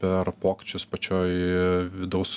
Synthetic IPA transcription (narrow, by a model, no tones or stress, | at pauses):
pʲɛrpoːkʲɪ̥t͡ʃʲʊspɐt͡ʃʲoːjʋʲɪd̪ɐʊs